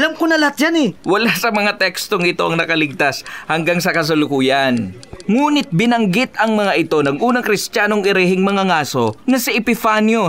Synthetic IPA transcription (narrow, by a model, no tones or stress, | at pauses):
lamkonɐlɐat̪̚d͡ʒanɛwɐlasɐmɐŋat̪ɛkst̪o̞ŋɪt̪o̞ʔɐŋnɐkɐlɪɡ̚t̪ashɐŋɡaŋsɐkɐs̬ɐlʊkuːjɐnŋuːnɪt̪̚bɪnɐŋɡɪt̪ɐŋmɐŋaʔɪt̪o̞nɐŋʔuːnɐŋkɾɪst̪jaːnoŋɪɾɛhɪŋmɐŋaŋaːso̞nɐsɪʔɛpɪfanjo